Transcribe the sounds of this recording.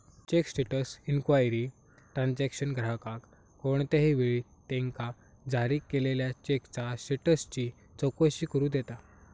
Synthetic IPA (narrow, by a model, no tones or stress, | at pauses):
t͡ɕeksʈeʈəsinkʋajɾi | ʈɾansækɕənɡʱɾakakː | oɳt̪eɦiʋeɭiː | t̪ẽŋka | d͡zʱaɾiːkːeleljat͡ɕekt͡sasʈeʈəst͡ɕiː | t͡sɔkəɕiːkəɾũːd̪et̪a